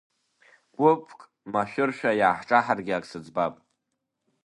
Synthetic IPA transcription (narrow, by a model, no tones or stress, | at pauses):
ɡ̥ʷʼʊpʰkʼ | maʃᶣʊrʃᶣajaːħʈ͡ʂʼaħarɡʲɪakʼsɨd͡zbapʼ